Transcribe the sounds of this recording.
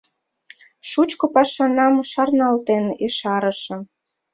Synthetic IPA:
ʃut͡ɕkopɑʃɑnɑmʃɑrnɑlt̪eneʃɑɾə̆ʃə̆

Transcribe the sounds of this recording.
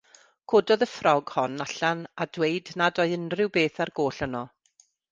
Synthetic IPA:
kʰodɔðəfrɔɡhɔnaɬanadwejdnadɔɨənrɪwbeːθarɡoːɬənɔ

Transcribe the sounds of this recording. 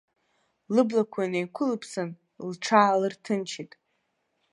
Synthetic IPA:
lɨblakʷʰajnajkʷʰʊlɨpʰsan | lʈ͡ʂʰaːlɨrtʰɨnt͡ʃʰitʼ

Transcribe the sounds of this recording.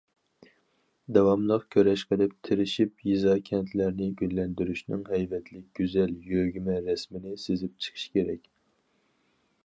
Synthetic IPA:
d̪ɛwɑmlˠəqkʲʰøɾɛʃqəd̪ɪp̚t̪ʰɪɾɪʃipjizɑkʲʰɛnt̪ʰlæɾnɪɡʲylːɛnd̪yɾyʃnɪŋɦɛjvɛt̪ʰlɪk̚ʲɡ̥ʲyzɛljøɡʲymɛɾɛsmɪnɪsezɪp̚t͡ʃʰə̥qʰɨ̥ʃkʲeɾɛkʲ

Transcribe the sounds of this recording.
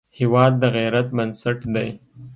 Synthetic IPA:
hewɑːd̪ːəɣeɾat̪̚bənsaʈd̪aj

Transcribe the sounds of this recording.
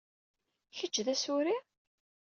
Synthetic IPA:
çət͡ʃːðæsʊɾi

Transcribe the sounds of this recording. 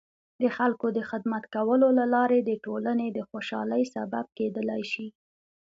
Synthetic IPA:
d̪əxalkod̪əxɪd̪mat̪kawəlolalɑɾed̪əʈolaned̪əxoʃɑ̰ləjsabab̚ked̪əlajʃi

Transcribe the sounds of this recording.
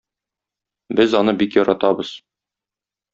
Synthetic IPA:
bɘzɒnɤbikjɒɾɑt̪ɑbɤz̥

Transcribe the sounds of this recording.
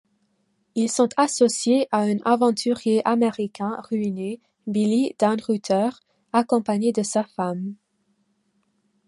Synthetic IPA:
ilsɔ̃t̪asɔsjeʔaɛ̃nʔavɑ̃t̪ʰyʁjeʔameʁikɛ̃ʁyine | bilid̪̥ãnʁyt̪ʰœʁ | akɔ̃paɲed̪əsafam

